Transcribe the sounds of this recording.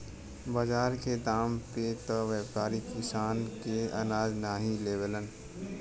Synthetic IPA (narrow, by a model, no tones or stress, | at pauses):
bəd͡ʒaːɾked̪aːmpet̪əʋeːbpaːɾikɪsaːnkeɐ̰naːznaːɦĩleːbələn